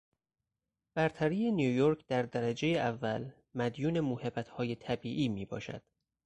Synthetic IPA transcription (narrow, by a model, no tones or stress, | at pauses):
b̥æɾt̪ʰæɾiːje̞nijujoɾkʰd̪æɾd̪æɾæd͡ʒe̞jeʔævːæl | mæd̪juːne̞mohebæt̪hɒːje̞t̪ʰæbiːʔiːmiːbɒ̰ːʃæ̰d̪̥